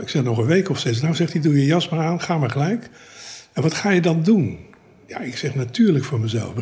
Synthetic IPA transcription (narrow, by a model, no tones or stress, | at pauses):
ɪksɛχnɔχənʋejkɔfsesnawzɛχtidujəjɑs̚maːɹaːnχaːmaːɹχəlɛjk | ɛnʋɑtχaːjədɑndun | ja̰ɪksɛχnatyːɹləkfʊːɹməzɛ̰lˠf